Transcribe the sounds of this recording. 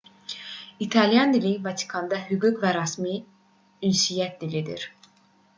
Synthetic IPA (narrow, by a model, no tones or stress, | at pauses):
it̪ʰɑlijɑnd̪ilivɑt̪ʰi̥kʰɑnd̪ɑɦyɡukvæɾɑsmi | ynsijæt̪̚d̪ilid̪ḭɾ